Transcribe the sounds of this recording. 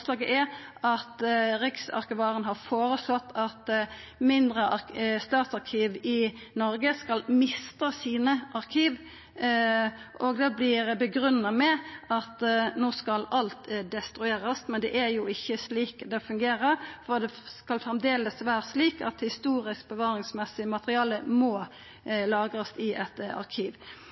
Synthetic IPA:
slɑːɡəʔɛɾʔɑt̪ɾɪksɑ̰ʁkɪʋɑːʁənɦɑɾfoːɾəslɔt̪ːɑt̪ | mɪnd̪ʁəʔɑst̪ɑːt̪sɑɾkʰiːʋɪnɔɾɡəskɑlmɪst̪əsiːnəʔɑʁkʰiːʋ | ʔɔɡd̪ɛblɪɾbəɡɾʉnːɑmɛɑt̪noːskɑlɑlt̪d̪ɛst̪ɾʉeːɾəst̪mɛnd̪ɛʔæɾjuːɪçːəsliːkd̪ɛfʉŋɡeːɾəfɔʁd̪ɛskɑlfʁɛmd̪eːləsʋæːɾəsliːkɑ̰t̪hɪst̪uːɾɪsk̚bəʋɑːɾɪŋsmɛsːɪəmɑt̪əʁɪɑːləmoː | lɑːɡʁɑst̪ɪʔɛt̪ɑ̰ʁkʰiːʋ

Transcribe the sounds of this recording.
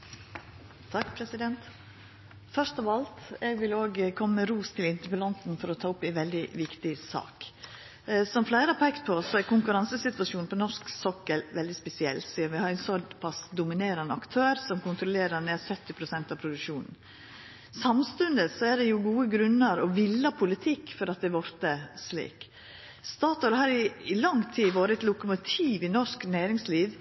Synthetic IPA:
t̪ʰɑkːpʰɾɛsɪd̪ɛnt̪ | fœʂt̪ɔʋɑlt̪ɛːɡʋɪloːɡkʰɔmːəːəɾuːst̪ʰɪlɪnt̪əɾpəlɑnt̪nfɔɾɔt̪ʰɑːʊpːɪʋɛld̪ɪʋɪkt̪ɪsɑ̰ːk | sɔmflæɪɾəpʰɛkt̪pʰɔsɔæɾkʰʊŋkʉɾɑnsəsɪt̪ʋɑʂuːnpʰɔnɔʂksɔkːəlʋɛld̪ɪspɛsɪɛ̰lt̪siːɾʋɪhɑɾɛnsɔdpʰɑsd̪ʊmɪneːɾɑnəɑkt̪ʰøːɾsɔmkʊnt̪ɾɔleːɾəɾneːsœt̪ːɪpʰɾʊsɛnt̪ɑʋpʰɾʊd̪ʉʂuːnn̩ | sɑmst̪ʉnd̪əsɔæɖɛjʊɡuːəɡɾʉnːəɾɔʋɪlːɑpʰʊlɪt̪ʰɪkːfɔɾɑt̪̚d̪ɛʋɔɾt̪əslḭːk | st̪ɑːt̪ɑɾhɑːɾɪɪlɑŋt̪ʰiːʋoːɾəɛt̪lʊkəmʊt̪ʰiːʋɪnɔʂknæːɾɪŋsliːʋ

